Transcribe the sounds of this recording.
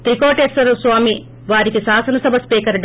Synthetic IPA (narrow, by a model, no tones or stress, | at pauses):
t̪ɾikoːʈeːsɐɾɐsʋaːmi | ʋaːɾikisaːsɐnɐsɐbʱɐspiːkɐɾɖ